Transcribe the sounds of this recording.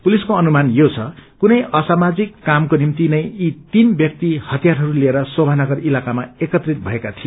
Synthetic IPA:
puliskoʌnumanjot͡sʰʌkunʌjʔʌsamad͡zikːamkonimt̪inʌjit̪inbjʌk̚t̪ihʌt̪ijaɾɦʌɾulieɾʌsobʱanʌɡʌrilakamaekʌt̪rit̪̚bʱʌekat̪ʰijo

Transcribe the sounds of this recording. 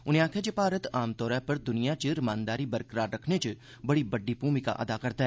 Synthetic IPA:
ʊnijãːkʰed͡ʒepaːɾət̪aːmt̪ɔːɾɛpɐɾd̪ʊnijat͡ʃəɾmaːnd̪aːɾibɐɾkɾaːɾːɐkʰnet͡ʃ | bɐɽibɐɖːipuːmika̰ʔɐ̰d̪akɐɾt̪aɦɛ

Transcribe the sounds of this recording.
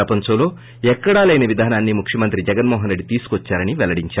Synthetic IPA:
ɐpɐɲt͡ʃɐmlo̞ː | ɛkːɐɽaːlɐjnɐʋid̪ʱaːnaːnːimukʂjɐmɐnt̪ɾid͡ʒɛɡɐnmoːɦɐnɾe̞ɖːit̪iːsu̥kʋɔt͡ʃːaːɾɐniʋɛlɐɽiɲt͡ʃaː

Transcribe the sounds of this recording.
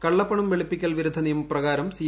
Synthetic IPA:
kɐɭːɐpːɐɳumʋeɭipːikʲːɐlɭʋiɾud̪ʱːɐnijumprɐɣaːɾɐmsiː

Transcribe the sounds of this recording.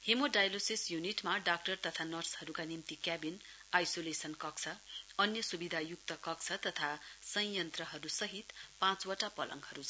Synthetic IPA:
hemoɖajlosisjuniʈmaɖak̚ʈʌrt̪ʌt̪ʰanʌrshʌɾukanimt̪ikjabin | ajsolesʌnkʌkt͡sʰʌʌnjʌsubid̪ʱajuk̚t̪ʌkʌk̚t͡sʰʌt̪ʌt̪ʰasʌ̃jjʌnt̪rʌɦʌɾusʌɦit̪pãt͡swʌʈapʌlʔʌ̰ŋɡɦʌɾu

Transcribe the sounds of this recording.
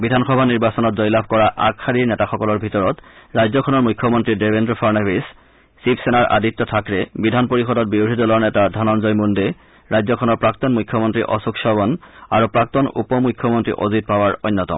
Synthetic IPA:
bidʱanxɔbʱaniɹbasɔnɔtzɔjlabʱkɔɹaʔa̰kʰaɹiɹnɛtaxɔkɔlɔɹbʱitɔɹɔtɹajzɔkʰɔnɔɹmujkʰːɔmɔntɹidebendɹɔpʰaɹnabis | sipsenaɹʔa̰dit̪ːɔtʰakɹɛbidʱanpoɹixɔdɔt̚biudʱidɔlɔɹnɛtadʱanɔnzɔjmunde | ɹajzɔkʰɔnɔɹpɹak̚t̪ɔnmujkʰːjɔmɔntɹḭʔɔ̰sukʃɔbɔnaɹupɹak̚t̪ɔnṵpɔmujkʰːɔmɔntɹḭʔɔzit̚pawaɹɔ̰jnːɔtɔ̰m

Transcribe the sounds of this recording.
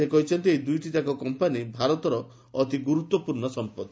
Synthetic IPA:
ekɔɦit͡ʃʰɔnt̪iejd̪ujʈit̪akɔkɔmpanibʱaɾɔt̪ɔɾɔː | t̪iɡuɾut̪wɔpuɾɳɔsɔmpɔd̪

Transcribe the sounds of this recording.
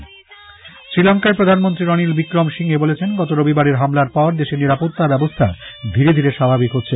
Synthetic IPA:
sɾilɔŋkaepɾod̪ʱanmont̪ɾiɾɔnilbikɾomʃiŋebolet͡ɕʰenɡɔt̪oɾobibaɾeɾɦamlaɾpɔɾd̪eʃeɾniɾapot̪ːabɛbost̪ʰa̰d̪ʱiɾed̪ʱiɾeʃabʱabikɦotːɕʰe

